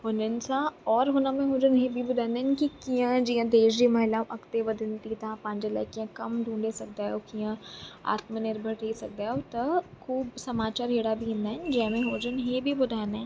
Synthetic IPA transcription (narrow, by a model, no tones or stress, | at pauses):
ɦʊnɪnsaɔːɾɦonamẽɦoːd͡ʒənɦebʱibʊd̪ʱaːnɛ̃nkikijãd͡ʒiãd̪eːʃd͡ʒimɐɦɪlãʔɐkt̪eʋɐd̪ʱɪnt̪it̪ãːpãːnd͡ʒelɐ̰ːkijãkɐmɖʱũːɳɖesɐk̚d̪aːɦɛokijãa̰ːt̪mənɪɾbʱəɾʈʰɐisɐk̚d̪aːɦɛɔt̪ɐkuːbsɐmaːt͡ʃaːɾɦeːɽabʱiɦɪ̃nd̪and͡ʒɛːmẽɦoːd͡ʒənɦebʱibʊd̪ʱaːnɛ̃